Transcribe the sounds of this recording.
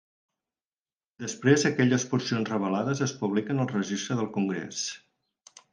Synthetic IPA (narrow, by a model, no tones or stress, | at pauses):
d̪əspɾezəkɛʎəspuɾsionzrəβəlaðəzəspuβlikənəlˠrəʒist̪ɾəðəlˠkuŋɡɾḛs